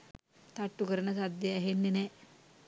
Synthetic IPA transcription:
t̪ɐʈːukɐɾɐnɐsɐd̪jɐɐɦenːine

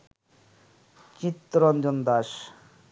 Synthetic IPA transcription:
t͡ɕit̪ːɾɔnd͡ʑond̪aʃ

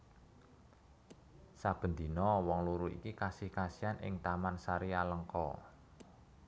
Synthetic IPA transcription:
sab̥ə̤nd̪i̤nɔwɔŋluɾuḭkikasɪhkasijanʔɪ̰ŋt̪amansaɾialəŋkɔ̰

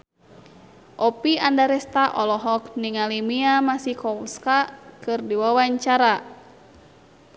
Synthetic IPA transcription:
ʔɔpiandaɾɛst̪aʔɔlɔɦɔk̚niŋalimiamasihkɔwskakɨrdiwawaɲt͡ʃaɾa

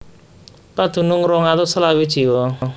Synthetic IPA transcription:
pad̪̥ṳnʊŋɾɔŋat̪ɔsəlawid̥ʒ̥i̤wɔ

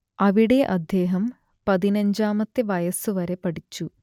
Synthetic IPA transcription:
ɐʋiɽe̞ʔɐd̪ʱje̞ːɦɐm | pɐðinɐɲd͡ʑaːmɐt̪ːeʋɐjɐsuʋɐɾe̞pɐɽit͡ɕːu

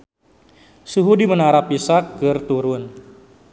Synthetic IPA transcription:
suɦudimənaɾapːisakːɨrt̪uɾʊn

